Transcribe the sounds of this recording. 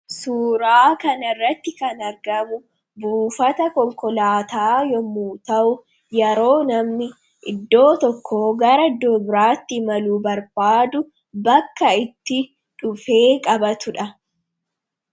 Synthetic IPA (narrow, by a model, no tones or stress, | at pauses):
suːɾaːkɐnɐrːɐt̪ːɪkɐnɐɾɡɐmʊ | buːfɐt̪ɐkɔŋkɔlaːt̪aːjɔmːuːt̪ɐʔʊ | jɛɾo̞ːnɐmnɪ | ʔɪd̪ːo̞ːt̪ɔkʰːoːɡɐɾɐd̪ɔbɾaːt̪ːɪmɐluːbɐɾb̥aːd̪ʊ | bɐkːɐɪt̪ːɪ | ᶑʊfe̞ːkʼɐbɐt̪ʊᶑɐ